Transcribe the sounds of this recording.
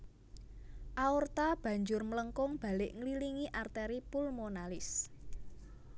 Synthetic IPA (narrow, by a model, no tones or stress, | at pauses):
ʔaurt̪ab̥ä̤ɲd͡ʒʊrmələŋkʊŋb̥a̤lɪʔŋliliŋiʔart̪ɛɾipulmonalɪs